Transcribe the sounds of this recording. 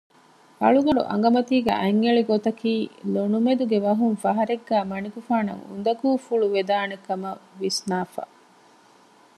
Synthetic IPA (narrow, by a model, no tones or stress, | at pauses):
ɐ̰ɭuɡɐɖṵʔɐ̰ŋ̆ɡɐmɐt̪iːɡḛʔɐŋːeɭiɡot̪ɐkiːlonumed̪uɡeʋɐɦuŋfɐɦɐɾeɡːæːmɐnikufaːnɐ̰ŋṵnd̪ɐkuːfuɭuʋed̪aːnekɐmɐʋisnaːfɐ̰